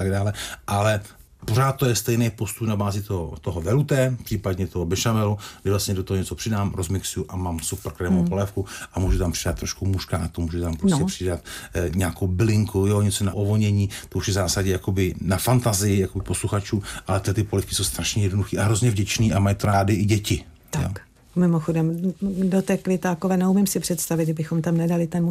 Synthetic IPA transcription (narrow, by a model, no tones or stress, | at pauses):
t̪aɡdaːlɛʔalɛ | poraːt̪̚t̪ːojɛst̪ɛjnejpo̞st̪upnabaːzɪt̪ot̪oɦovɛlut̪ɛːpr̥ipadɲɛt̪oɦobɛʃamɛludɪvlast̪ɲɛdot̪oɦoɲɛt͡sopr̥ɪdaːmɾozmɪksujuʔamaːmsupr̩kɾɛːmowpo̞lɛfkuʔamuːʒut̪ampr̥ɪdat̪ːɾoʃkumuʃkaʔat̪omuːʒut̪ampɾoscɛpr̝̥ɪdat̪ɲaːkowbɪlɪŋkujoɲɛt͡sona̰ʔovoɲɛɲiːt̪ouʃjɛvzaːsaɟɛjako̞bɪnafant̪azɪjɪjakobɪposluxat͡ʃuːmʔalɛt̪t̪ɪpo̞lɛfkɪso̞wst̪ɾaʃɲɛjɛdnoduxiːʔaɦɾo̞zɲɛvɟɛt͡ʃniːʔamajit̪onaːdɪʔɪɟɛcɪ | t̪aok | mɪmoxodɛmdot̪ɛkvɪt̪aːkovɛːnɛumɪmsɪpr̥ɛt̪st̪avɪt̪ɛbɪxomt̪amnɛdalɪt̪ɛnmu